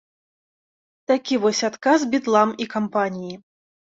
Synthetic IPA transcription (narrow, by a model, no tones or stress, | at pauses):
t̪akʲivɔsʲat̪kasbʲit̪lˠamikampanʲiji